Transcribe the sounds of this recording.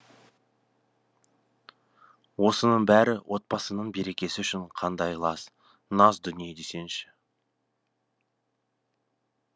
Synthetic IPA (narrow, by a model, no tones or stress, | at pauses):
wo̞sənəɴbæɾɪwʔo̞t̪̚pɑsənəɴbe̞ɾe̞kʲe̞sɪʏʃɪɴqʰɑnd̪ɑjlˠɑs | nɑzd̪ʏnijed̪ese̞nʃɪ̥